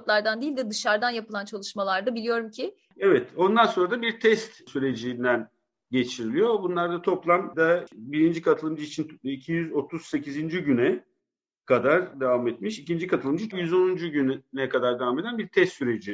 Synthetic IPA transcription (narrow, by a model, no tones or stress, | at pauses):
t̪lˠaɾd̪and̪eijilʲd̪ɪd̪ɯʃaɾd̪anjapɯlˠant͡ʃʰalˠɯʃmalˠaɾd̪abilʲijo̞ɾumcʰɪ | evɛt̪o̞nd̪anso̞nɾad̪abiɾt̪ʰɛst̪syɾe̞d͡ʒind̪æn | ɟe̞t͡ʃʰiɾilʲijo̞bunlˠaɾd̪at̪ʰo̞plˠamd̪abiɾind͡ʒikʰat̪ʰɯlˠɯmd͡ʒɯit͡ʃʰinicʰijyzo̞t̪ʰuzse̞cʰizind͡ʒiɟynɛ | kʰad̪aɾd̪evamet̪miʃicind͡ʒikʰat̪ʰɯlˠɯmd͡ʒɯjyzo̞nund͡ʒuɟynynɛkʰad̪aɾd̪e̞vame̞d̪ænbiɾt̪ʰɛst̪syɾe̞d͡ʒi